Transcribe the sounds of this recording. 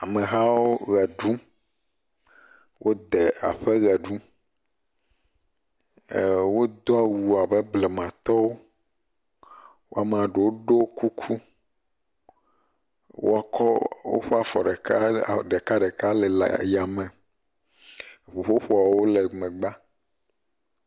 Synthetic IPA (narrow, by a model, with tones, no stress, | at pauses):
a˨mɛ̃˨ɦa˦wo˦ɣɛ˨ɖũ˦ | wʔo˦d̪ɛ˨a̰˨ɸɛ˦ɣɛ˨ɖu˦˨ | wo˦d̪ɔ˦a˦˨wu˨a˨bɛ˦ble˨mã˨t̪ɔ˦wo˦ | wo̰˦a˨m˦ã˨ɖe˨wo˦ɖo˦wku˦kʰu˦ | wo̰˦a˨kʰɔ˦wo̰˦ɸe˦a˨fɔ˨ɖɛ˨ka˦˨ɖe˨ka˦ɖɛ˨ka˦lɛ˨la̰˨ja˨mɛ̃˨ | ɸo˨ɸo˦ɸo˦a˨wwo˦le˨mɛ̃˨ɡ͡ba˦